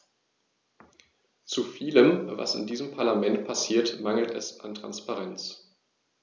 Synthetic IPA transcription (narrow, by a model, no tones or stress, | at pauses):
t͡sufiːləmva̰sɪ̰ndiːzəmpʰaɐlamɛntpʰasiːɐtmaŋl̩tɛ̰sʔantʁ̥a̰nspaʁɛnt͡s